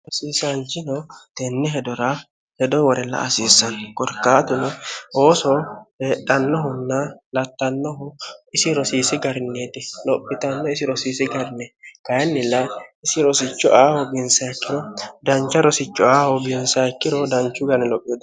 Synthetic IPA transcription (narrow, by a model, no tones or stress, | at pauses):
ɔsiːsɐnt͡ʃɪnɔt̪ɛnːɛɦɛd̪ɔɾɐ | hɛd̪ɔwɔɾɛlːɐ̰ɐsiːsːɐnkɔɾkːaːt̪ʊnɔoːsɔheːᶑɐnːɔɦʊnːɐlɐt̪ːɐnːɔɦʊɪsɪɾɔsiːsɪɡɐɾnːet̪ɪlɔpʼːɪt̪ɐnːɔɪsɪɾɔsiːsɪɡɐɾnːɛkɐjnːɪlːɐɪsɪɾɔsɪt͡ʃːɔʔaːhɔbɪnsakːɪɾɔd̪ɐnt͡ʃːɐɾɔsɪt͡ʃːɔaːhɔbɪnsɐkːɪɾɔd̪ɐnt͡ʃːʊɡɐnɛlɔpʼːɛd̪